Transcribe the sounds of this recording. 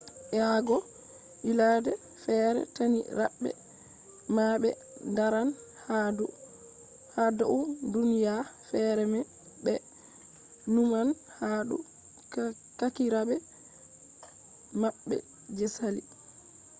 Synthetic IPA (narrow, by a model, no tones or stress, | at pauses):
ʔɛaɡɔ | ʔiladɛ | fɛːɾɛ̰taniɾaɓːɛ̰ | maɓɛ̰ | ndaɾan | hadu | hadaʔudunijafɛɾɛmɛ | bɛ | numan | hadṵ | kakiɾabɛ | maɓːɛ̰ | d͡ʒɛsalḭ